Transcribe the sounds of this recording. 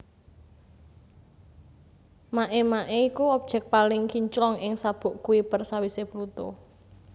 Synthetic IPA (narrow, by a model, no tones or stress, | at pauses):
maʔemaʔeikuɔb̥̚ʒ̥ɛ̤k̚palɪŋkiɲt͡ʃlɔŋʔɪŋsab̥ṳʔkuipərsawiseblut̪o̰